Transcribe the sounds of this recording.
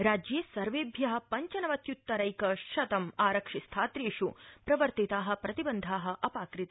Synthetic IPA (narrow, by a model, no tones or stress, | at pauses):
ɾaːd͡ʒjeːsɐɾʋeːbʱjɐɦɐ̆pɐɲt͡ʃɐnɐʋɐt̪jut̪ːɐɾɐjkɐʃɐt̪ɐmaːɾɐkʂist̪ʰaːt̪ɾeːʂupɾɐʋɐɾt̪it̪aːɦɐ̆pɾɐt̪ibɐnd̪ʱaːɦɐ̆ʔɐpaːkɾit̪ɐ